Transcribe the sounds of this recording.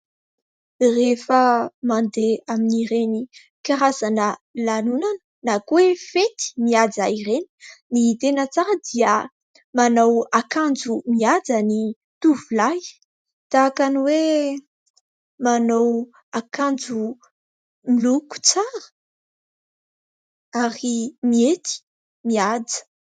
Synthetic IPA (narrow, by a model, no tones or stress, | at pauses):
refəmand̪eaminiɾeni | kaɾazanəlanunanə̥nakuefet̪i̥miad͡zaireni̥nit̪enət͡saɾəd̪iə | manawakand͡zumiad͡zani | t̪uvulaj | t̪aːkaniwe | manaw | akand͡zu | miluku̥t͡saɾə̥ | aɾimiet̪i̥ | miad͡zə̥